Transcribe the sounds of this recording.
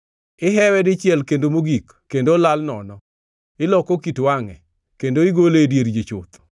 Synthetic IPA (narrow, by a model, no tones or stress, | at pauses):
ɪɦɛwɛdɪt͡ʃɪɛlkendomoɡikːendolalnɔnɔ | ɪlɔkokitwaŋɛ̰ | kendoɪɡoledjeɾd͡ʒet͡ʃʊt̪